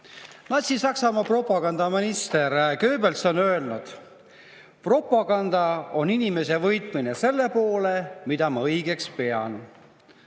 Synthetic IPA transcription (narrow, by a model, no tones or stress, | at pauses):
nɑsʲisɑksɑmɑpro̞pːɑɡɑnd̪̥ɑminist̪e̞ɾkø̞ːbe̞lso̞nø̞elnud̪̥ | pro̞pːˑɑɡɑnd̪̥ɑo̞ninime̞s̬e̞vɤjt̪ˑmine̞se̞lːe̞po̞ːlemid̪̥ɑmɑɤjɡ̥e̞kspe̞ɑn